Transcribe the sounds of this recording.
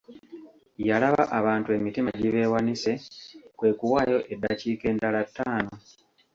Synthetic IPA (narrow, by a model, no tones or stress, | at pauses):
jalaβaʔaβaːntue̞mitimaɟiβe̞ːwanise̞kwe̞ːkuwaːjo̞ʔe̞daciːke̞ːndalatːaːno̞